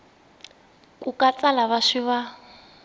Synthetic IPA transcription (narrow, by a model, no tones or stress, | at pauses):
kʼukʼat͡sʼalaβaʂiβa